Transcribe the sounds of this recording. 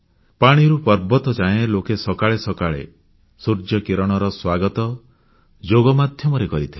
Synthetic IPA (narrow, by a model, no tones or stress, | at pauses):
paɽ̃iɾupɔɾbɔt̪ɔd͡ʒãẽlokesɔkaɭesɔkaɭḛ | suɾd͡ʒɔkiɾɔɽ̃ɔɾɔswaɡɔt̪ɔ | d͡ʒoɡɔmad̪ʱjɔmɔɾekɔɾit̪ʰi̥